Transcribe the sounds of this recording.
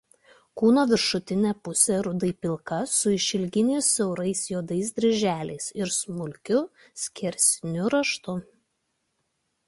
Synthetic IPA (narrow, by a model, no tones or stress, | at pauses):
kuːnoːʋʲɪɾʃʊt̪ʲɪnʲɛpʊsʲɛɾʊd̪ɐɪpʲɪlˠkɐsʊɪʃʲɪlʲɡʲɪnʲɛɪsʲɛʊɾɐɪsjoːd̪ɐɪs̬d̪ʲɾʲɪʒʲæːlʲɛ̰ɪsɪɾsmʊlʲkʲʊ | sʲkʲɛɾʲsʲnʲʊɾɐʃt̪ʊ